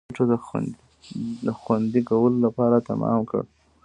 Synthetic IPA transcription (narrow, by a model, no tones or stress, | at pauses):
ʈ͡ʂod̪ə̰ | d̪əxwand̪ikawəlolapɑɾat̪a̰mɑ̰mkə̰ɽ